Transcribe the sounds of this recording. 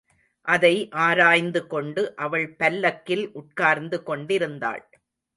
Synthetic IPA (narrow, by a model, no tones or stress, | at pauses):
ʔɐðɐɪʔaːɾaːjnd̪ɯkɔɳɖɯʔɐʋɐɭpɐlːɐkːɪlʔʊʈ̚kaːɾnd̪ɯkɔɳɖɪɾɯnd̪a̰ːɭ